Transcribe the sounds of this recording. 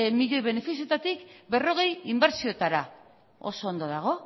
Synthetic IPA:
miʎo̞jβe̞ne̞fisijot̪at̪ikbe̞ro̞ɣ̞e̞jimbe̞ɾsiot̪aɾa | o̞̰so̞ːnd̪oðaɣ̞o̞

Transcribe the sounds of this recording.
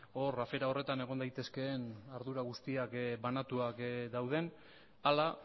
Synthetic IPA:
o̞rafe̞ɾao̞re̞t̪ane̞ɣ̞o̞nd̪ajt̪e̞ske̞ːnaɾðuɾaɣ̞ust̪iakbanat̪uakd̪awð̞e̞n | ala

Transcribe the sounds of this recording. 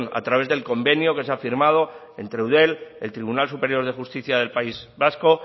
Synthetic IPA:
na̰t̪ɾaβe̞zðe̞lko̞mbe̞njoke̞s̬eafiɾmað̞o̞ | e̞̰nt̪ɾewðe̞le̞lt̪ɾiβunalsupe̞ɾjo̞ɾðe̞xust̪iθjaðe̞lpaizβasko̞

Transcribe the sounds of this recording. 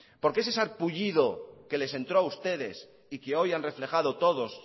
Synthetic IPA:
po̞ɾkees̬esaɾpuʎiðo̞ke̞le̞sẽ̞nt̪ɾoaust̪e̞ðe̞s | ikeo̞janre̞fle̞xað̞o̞t̪o̞ð̞o̞s

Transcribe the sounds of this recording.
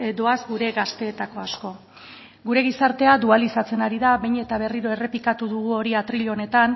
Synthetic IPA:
ed̪o̞azɡuɾe̞ɣast̪e̞ːt̪ako̞asko̞ | ɡuɾe̞ɣ̞isaɾt̪e̞ad̪ualisat͡se̞naɾiðaβe̞jɲe̞t̪aβ̞e̞riɾo̞e̞re̞pikat̪uðuɣ̞uo̞ɾiat̪ɾiʎo̞ne̞t̪an

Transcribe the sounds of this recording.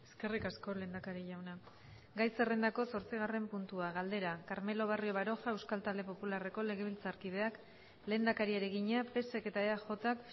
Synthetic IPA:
e̞ske̞rikasko̞le̞ːnd̪akaɾiʎawna | ɡajse̞re̞nd̪ako̞so̞ɾt͡siɣ̞are̞mpunt̪uaɣald̪e̞ɾakaɾme̞lo̞β̞ario̞βaɾo̞xae̞wskalt̪ald̪e̞po̞pulare̞ko̞le̞ɣe̞β̞ilt͡saɾkið̞e̞ak | le̞ːnd̪akaɾieɾeɣiɲape̞seke̞t̪aeaʝo̞t̪ak

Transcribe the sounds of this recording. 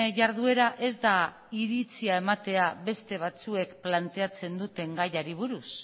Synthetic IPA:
ʝaɾð̞ue̞ɾaʔe̞zd̪a | iɾit͡siae̞mat̪e̞aβe̞st̪e̞β̞at͡sue̞kplant̪e̞at͡se̞nd̪ut̪e̞ŋɡajaɾiβ̞uɾus

